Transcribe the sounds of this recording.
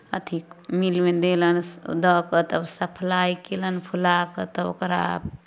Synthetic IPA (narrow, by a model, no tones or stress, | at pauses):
ə̰t̪ʰikmilmed̪elənd̪əkət̪əbsəpʰlaikelənpʰulakət̪əo̰kəɾa̰b